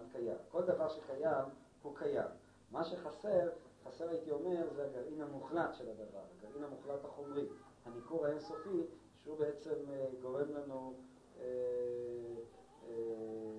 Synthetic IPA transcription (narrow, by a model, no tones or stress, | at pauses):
dkaja̰mko̞ld̪avaʁʃekajam | hukʰajamː | aʃeχase̞ʁχaseʁait̪io̞me̞ʁzeaɡaʁinhamuχlat̪ʃe̞lad̪ava̰ʁaɡaʁinhamuχlat̪haχo̞mʁi | hanikuʁaensofiʃehubeet͡se̞mɡo̞ʁe̞mlanu | e | e